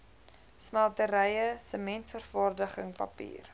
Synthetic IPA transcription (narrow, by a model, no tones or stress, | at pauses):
smælˠtəɾɛjəsəmɛntfərfɑːrdəχəŋpɐ̰pḭːr